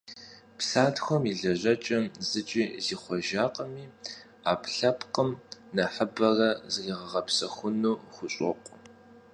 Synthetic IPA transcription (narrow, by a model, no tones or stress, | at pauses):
psaːtxʷɔmiɮɐʑɐt͡ʃʼɐmzɨt͡ʃʼiːziːχʷɔʒaːqʼəmiː | aːpʰɬɐpqəmnɐħəbɐrɐzɨriːʁɐʁɐpsɐxʷʊnuːχʷʊɕʼɔ̰qʷʼ